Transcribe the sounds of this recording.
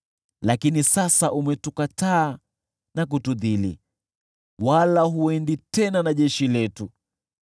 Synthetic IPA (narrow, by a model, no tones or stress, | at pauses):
lakinisasaʔumɛtukataː | nak̬utuðilḭ | walaɦuɛnditɛnanaʄɛʃilɛtu